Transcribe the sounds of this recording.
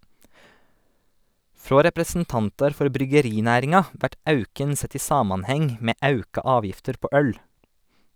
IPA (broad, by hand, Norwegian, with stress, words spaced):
ˈfɾoː ɾɛpɾəsn̩ˈtɑntɑɾ ˈfɔɾ bɾʏɡəˈɾɪˌnæːɾɪŋɑ ˈʋæʈ ˈɑʉkən ˈsɛt ˈiː ˈsɑːmɑnˌhɛŋ ˈmeː ˈɑʉkɑ ˈɑːʋjɪftəɾ ˈpoː ˈœl